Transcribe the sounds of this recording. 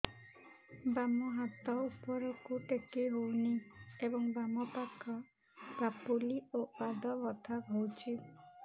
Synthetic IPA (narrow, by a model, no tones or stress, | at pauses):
bamɔɦat̪ɔupɔɾɔkuʈekiɦowniebɔŋbamɔpakɔ | bapuliopad̪ɔbɔt̪ʰaɡʱowt͡ʃʰi